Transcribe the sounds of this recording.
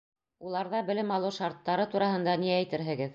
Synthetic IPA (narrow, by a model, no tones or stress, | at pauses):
ulˠɑɾðɑbɘ̆lɘmɑlˠɤʃɑɾt̪ːɑɾɤt̪uɾɑɦɤ̆nd̪ɑniæjt̪ɘɾɦɘ̆ɡɘð